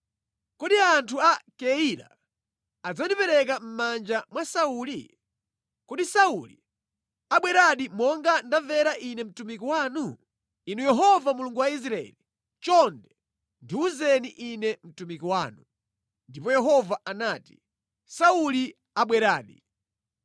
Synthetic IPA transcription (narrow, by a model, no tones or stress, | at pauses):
kɔɗiantʰuakɛiɾa̰ | ad͡zandipɛɾɛkam̩mand͡ʒamwasaulḭ | kɔɗisaulḭ | aɓwɛɾaɗimɔŋɡandavɛɾaʔinɛm̩tumik̬iwaːnu | inujɛɦɔvamuluŋɡuwais̬ɾaɛ̰li | t͡ʃɔndɛ | ndiuzɛniʔinɛm̩tumikiwaːnu | ndipɔjɛɦɔvaʔanaːti̥ | sauli | aɓwɛɾaːɗi